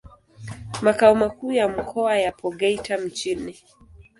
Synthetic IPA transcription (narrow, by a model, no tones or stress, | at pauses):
makaumakuːjam̩kʰɔajapʰɔɠɛitʰam̩t͡ʃini